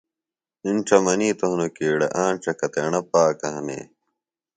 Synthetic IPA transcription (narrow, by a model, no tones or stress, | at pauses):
inʈ͡ʂɐmɐniːt̪ɐɦunokiːɽɐ̰ʔaːnʈ͡ʂɐkɐt̪eɳɐpaːkɐɦɐmḛː